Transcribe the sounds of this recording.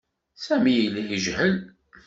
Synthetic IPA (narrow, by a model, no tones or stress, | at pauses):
sæmijlijəʒhəl